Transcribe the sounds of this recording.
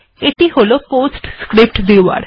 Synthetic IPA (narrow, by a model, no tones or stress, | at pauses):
eʈiholopoːsʈskɾɪp̚ʈd̪eʋa̰ɾ